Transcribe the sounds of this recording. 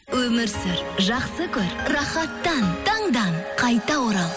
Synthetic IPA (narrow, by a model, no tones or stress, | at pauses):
wɵmɪɾsɪɾʒɑqsəkʲʰɵɾrɑχɑt̪ːɑnt̪ʰɑɴd̪ɑnqʰɑjt̪ɑwoɾɑlˠ